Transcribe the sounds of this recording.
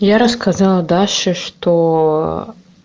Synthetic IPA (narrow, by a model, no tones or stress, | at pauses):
jaɾəskʰazalˠəd̪alʲʂɨʂt̪o